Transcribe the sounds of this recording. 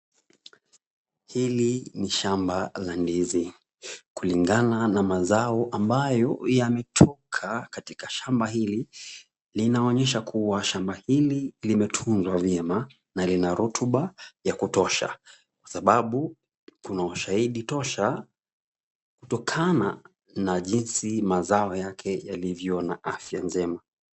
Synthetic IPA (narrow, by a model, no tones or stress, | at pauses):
hiliniʃambalandizi | kuliŋɡananamazaɔʔambajɔjamɛtʰɔkʰakatikaʃambahili | linaɔɲɛʃakʰuwaʃambahililimɛtʰunzwavjɛma | nalinaɾutʰuɓajakutɔʃa̰ | kwḁsaɓaɓu | kunauʃahiɗitɔʃa | kutɔkʰana | naʄinsimazaɔjakʰɛjalivjɔnaʔafjand͡ʒɛma